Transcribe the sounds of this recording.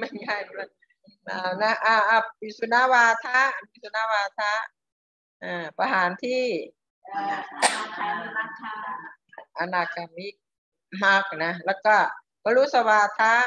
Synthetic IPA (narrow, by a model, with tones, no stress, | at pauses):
ma˦˥˨nŋa˧˩jla˧˩ | aː˧˩na˦˥ʔaː˧˩ʔa˧˩p̚bi˧˩su˧naː˧˥waː˧t̪ʰa˦˥bi˧˥su˧naː˧˥waː˧t̪ʰa˦˥ | ʔaː˧˩pa˧ɦaː˨˦nt̪ʰiː˥˩ | ʔa˧na˧˩kʰːa˧˩mi˦˥k̚ | ma˧˩k̚na˦˧lɛː˧˩kɔ˧˩ | bɔ˧lu˦˥t̪̚sa˧waː˧t̪ʰa˦˥